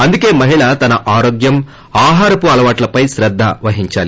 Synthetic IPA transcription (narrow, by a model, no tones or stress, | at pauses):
ɐnd̪uke̞ːmɐɦiɭɐt̪ɐnɐʔaːɾoːɡjɐm | aːɦaːɾɐpuɐlɐʋaːʈlɐpɐjʃɾɐd̪ʱːaʋɐɦiɲt͡ʃaːli